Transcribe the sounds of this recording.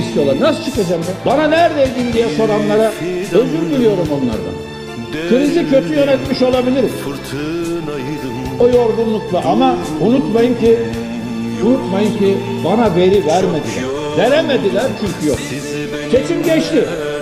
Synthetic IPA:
st̪ijo̞lˠaɾnasɯ̥t͡ʃʰɯkad͡ʒamd̪ɛbananæɾd̪ejd̪ind̪ijɛso̞ɾanlˠaɾaøzd̪ʲyɾbilʲijo̞ɾumo̞nlˠa̰ɾd̪a̰ | kʰɯɾizicʰø̞t̪ʰyjø̞nɛt̪miʃo̞lˠabilʲiɾiz̥ | ojo̞ɾɡunlˠuklˠaʔamaunut̪majɯmci | unut̪majɯmci | banave̞ɾivæɾme̞d̪ilʲæ̰ɾ | veɾeme̞d̪ilʲæɾt͡ʃʰyŋkcʰyjo̰k | t͡ʃʰe̞t͡ʃimɟɛt͡ʃt̪i

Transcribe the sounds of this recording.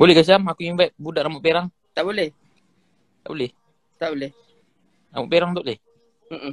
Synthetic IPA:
bolɛhɡəs̬iamakuiŋvajp̚budaʔnamoʔpeɾaŋ | t̪aʔbolɛh | t̪aʔbolɛh | t̪aʔbolɛh | namoʔpeɾaŋt̪ɔʔleh | m̩ʔm̩

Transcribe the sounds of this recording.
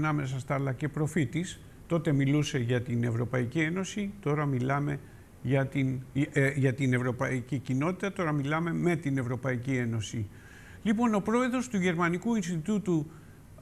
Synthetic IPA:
nɐme̞s̬ɐst̪ɐlɐce̞pɾo̞fit̪is | t̪o̞t̪e̞miluse̞ʝɐt̪ine̞vɾo̞pɐicie̞no̞sit̪o̞ɾɐmilɐme̞ | ʝɐt̪inʝɐt̪ine̞vɾo̞pɐicicino̞t̪it̪ɐt̪o̞ɾɐmilɐme̞me̞t̪ine̞vɾo̞pɐicie̞no̞si | lipo̞no̞pɾo̞e̞ðɾo̞st̪uʝe̞ɾmɐnikuinst̪it̪ut̪u

